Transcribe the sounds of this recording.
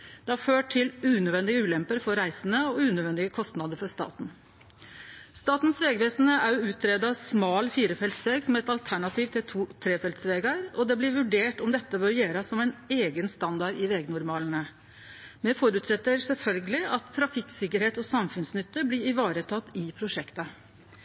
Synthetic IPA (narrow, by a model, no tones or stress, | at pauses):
d̪̥ɛæɾføːʈ̚ʰɪlʉːnœʋɛnd̪ɪɡəʉːlɛmpəɾfɔɾɾæɪsənəɔʉːnœd̪ʋɛnd̪ɪəkʰɔst̪nɑd̪əɾfɔʂt̪ɑ̰ːt̪n̩ | st̪ɑːt̪n̩sʋeːɡəʋeːsn̩əʔæɾʉːt̪ʰɾeːd̪ɑsmɑːlfiːɾəfɛlt̪sʋeːɡsɔmɛt̪ɑlt̪ʰæɳɑt̪iːʋt̪ʰɪlt̪ʰuːt̪ʰɾeːfɛlt̪sʋeːɡɑɾɔd̪ɛblɪɾʋʉɖeːʈɔmd̪ɛt̪ːəbœɾjeːɾɑsɔmæɪneːɡənst̪ɑnd̪ɑɖɪʋeːɡnʊɾmɑːlənə | mɛfɔɾʉːt̪sɛt̪ːəɾsɛlfœlɡəlɪʔɑt̪ʰːɾɑfɪksɪkəɾheːt̪ɔsɑmfʉnsnʏt̪ːəblɪɾɪʋɑːɾət̪ʰɑt̪ːɪpʰɾʊʂɛkt̪ə